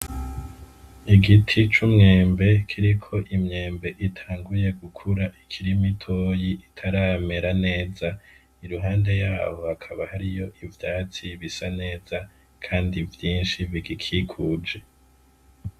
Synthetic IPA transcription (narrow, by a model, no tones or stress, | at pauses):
iɡitʰit͡ʃumŋe̞ːmbe̞kʰiɾikʰo̞ʔimɲe̞ːmbe̞ʔitʰaːŋɡuje̞ɡukʰuɾaʔikʰiɾimitʰo̞ːjiʔitʰaɾaːme̞ɾane̞ːza | iɾuɦaːnde̞jaːho̞hakʰaβahaɾijo̞ʔivjaːt͡siβisane̞ːz̥a | kʰaːndivjiːnʃiviɡikʰikʰuːd͡ʒe̞